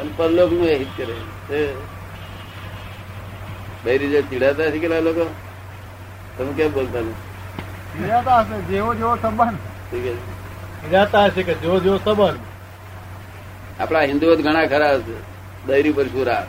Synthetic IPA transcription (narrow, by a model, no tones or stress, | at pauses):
ənpəɾloːknũeɦit̪kəɾe | t̪e | bəjɾid͡ʒet͡ʃiɽat̪asikelaloko | t̪oɦũkebolt̪alo | t͡ʃiɽat̪aəsed͡ʒeʋod͡ʒeʋosəbənʈʰikəseiɽat̪aəseked͡ʒeʋod͡ʒeʋosəbən | a̰pɽaɦind̪uot̪ɡʱəɽ̃akʰəɾaəse | d̪əjɾipəɾʃuɾa